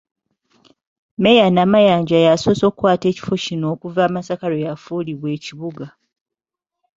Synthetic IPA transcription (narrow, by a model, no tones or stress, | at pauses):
me̞janaːmajaːɲɟajasoːso̞ːkkwaːte̞ːci̥fo̞cino̞ːkuvaːmasakalo̞jafuːliβwe̞ːciβuɡa